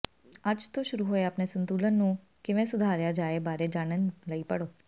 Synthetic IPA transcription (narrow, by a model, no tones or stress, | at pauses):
ad͡ʒt̪oʃʊɾuɦoːeaːpnesənt̪uːlənːũ | keʋɛ̃sʊd̪ʱaːɾjad͡ʒaːebaːɾed͡ʒaːnənləipəɽoː